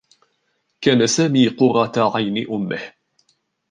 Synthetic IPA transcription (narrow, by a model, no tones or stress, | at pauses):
kaːnasaːmiːqʊɾˤɑt̪aʕajnɪʔʊmːɪh